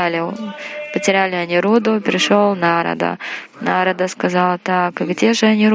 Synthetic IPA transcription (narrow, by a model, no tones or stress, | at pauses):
lʲɪpətʲɪɾʲælʲɪɐnʲiɾud̪ʊpʲɾʲɪʂolˠnaɾə̰d̪ə̰naɾəd̪əskɐzɑlˠət̪akɡdʲe̞ʐɨɐnʲiɾ